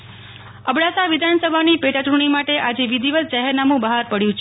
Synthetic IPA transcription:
əbɽasaʋɪd̪ʱansəbʱanipeʈatɾuɳ̃imaʈeʔad͡ʒeʋid̪ʱiʋəl̚t͡ʃaɦɛɾnamũbəɦaɾpəɽjũt͡ʃʰe

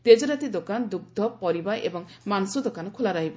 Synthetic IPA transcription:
t̪ed͡ʒɔɾat̪id̪okand̪uɡ̚d̪ʱɔpɔɾibajʔebɔŋmansud̪okanɔkʰulaɾaɦibɔ

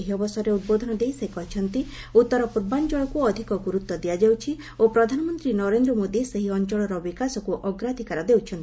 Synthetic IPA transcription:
eɦiɔbɔsɔɾeud̪̚bod̪ʱɔnɔd̪eɦisekɔɦit͡ʃʰɔnt̪i | ut̪ːɔɾɔpuɾband͡ʒɔjɔkuɔd̪ʱikɔɡuɾut̪ːɔd̪ijad͡ʒawt͡ʃʰi | opɾɔd̪ʱanɔmɔnt̪ɾinɔɾend̪ɾɔmod̪iseɦiɔnt͡ʃɔɭɔɾɔbikasɔkuʔɔɡɾad̪ʱikaɾɔd̪ewt͡ʃʰɔnt̪i

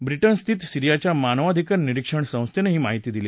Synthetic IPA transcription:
bɾiʈənst̪ʰit̪siɾijat͡ɕjamanʋad̪ʱikənːiɾikʂəɳsə̃w̃st̪ʰeneɦiːmaɦit̪iːd̪ile

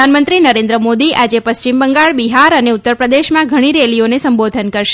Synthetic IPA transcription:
anmənt̪ɾinəɾẽnd̪ɾəmod̪iʔad͡ʒepəst͡ʃimbəŋɡaɭbiɦaɾəneut̪ːəɾpɾəd̪eʃmãɡʱəɽ̃iɾelionesəmbod̪ʱənkəɾʃ

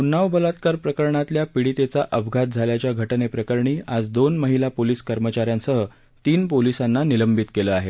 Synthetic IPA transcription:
unːaʋbʱəlat̪̚kaɾpɾəkəɾɳat̪ljapiɽit̪et͡saʔəʋɡʱat̪̚d͡zʱaljat͡ɕjaɡʱəʈnepɾəkəɾɳiːad͡zd̪onməɦilapoliːskəɾmət͡ɕaɾjansəɦə | t̪iːnpolisanːaniləmbʱit̪keləaɦe

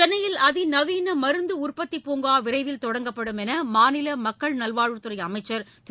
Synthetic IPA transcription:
t͡ʃɛnːɐjɪlɐðɪnɐʋiːnɐmɐɾɯnd̪ɯʊrpɐt̪ːipːoːŋɡaːʋɪɾɐɪʋɪlt̪ɔɽɐŋɡɐpːɐɽɯmɛnɐmaːnɪlɐmɐkːɐɭnɐlʋaːɻɯt̪ːɯɾɐjɐmɐɪt͡ʃːɐɾ

